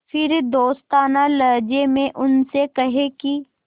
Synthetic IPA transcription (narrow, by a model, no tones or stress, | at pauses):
fʰɪɾd̪oːst̪aːnalɐɾd͡ʒemẽʔʊnsekɐɦeki